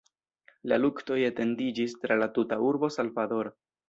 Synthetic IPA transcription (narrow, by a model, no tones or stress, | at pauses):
la̰lukto̞jete̞ndid͡ʒistɾalatutauɾbo̞salvado̞ɾo